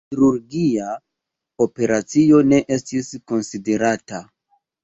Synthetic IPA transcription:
iɾuɾɡia | o̞pe̞ɾat͡sio̞ne̞ʔe̞stisko̞nside̞ɾata

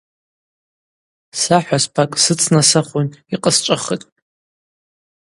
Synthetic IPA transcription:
saħʷᶣaspʰakʼsɨt͡sʰnasaχʷʊniqʼəst͡ʃʷʼaχətʼ

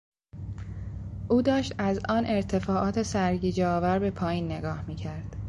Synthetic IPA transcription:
ʔuːd̪ɒːʃt̪æzʔɒːnʔe̞ɾt̪ʰe̞fɒːʔɒːt̪ʰe̞sæɾɟiːd͡ʒeɒːvæɾbe̞pʰɒːjiːnːe̞ɡɒːhmiːcʰæɾd̪̥

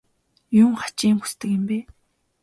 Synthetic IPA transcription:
jʊːŋχḁt͡ɕiːŋxu̥st̪ɘ̆kɪ̆mpeː

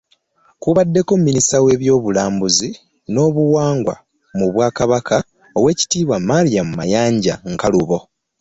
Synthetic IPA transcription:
kuβadːe̞ko̞mːinisawe̞ːβjo̞ːβulaːmbuzi | no̞ːβuwaːŋɡwa̰ | muβwaːkaβakʰa | owe̞ːci̥tiːβwamːalijamumajaːɲɟa̰ŋkaluβo̞

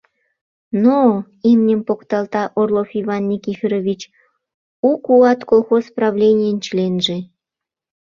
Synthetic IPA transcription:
no | imnʲəmpokt̪ɑlt̪ɑʔorlˠofivɑnːʲikifʲeɾoβʲit͡ɕ | ukuɑt̪kolˠxosprɑβlʲenʲijənt͡ɕlenʒe

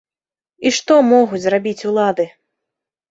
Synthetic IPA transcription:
iʂt̪ɔmɔɣut͡sʲzrabʲit͡sʲulˠad̪ɨ

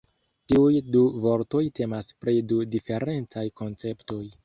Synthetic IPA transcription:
tiujduvo̞ɾto̞jte̞maspɾidudife̞ɾe̞nt͡sajko̞nt͡se̞pto̞j

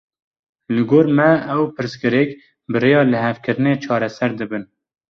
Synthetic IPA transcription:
lɨɡoːɾmɛɛwpʰɨɾsɡɨɾek | bɨɾejɑːlɨɦɛvkɨɾɨneːt͡ʃʰɑːɾɛsɛɾd̪ɨbɨn

